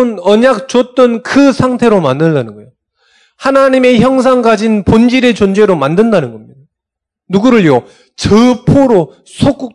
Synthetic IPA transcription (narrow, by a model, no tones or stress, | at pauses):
nʌɲak̚t͡ɕot͈ʌnkɯsʰaŋtʰe̞ɾomandɯɭdanɯnɡʌejo | hanaɲime̞çjʌŋs̬ʰaŋɡad͡ʑinpond͡ʑiɾe̞t͡ɕond͡ʑwe̞ɾomandɯndanɯnɡʌmɲida | nuɡuɾɯɭjo | t͡ɕɯpʰoɾo | sʰok͈u